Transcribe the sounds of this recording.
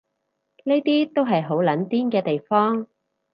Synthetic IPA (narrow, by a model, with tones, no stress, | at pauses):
neː˥t̪iː˥t̪o˥wɦɐ˨jɦo˨˥wlɐ˨˧˥nt̪iː˥nkɛː˧t̪e˨jfɔː˥ŋ